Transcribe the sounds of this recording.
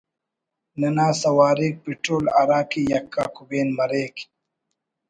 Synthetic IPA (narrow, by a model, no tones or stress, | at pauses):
nɐnaːsɐwaːɾiːk̚piʈɾoːlaɾaːkijɐkːaːkubeːnmɐɾeːki̥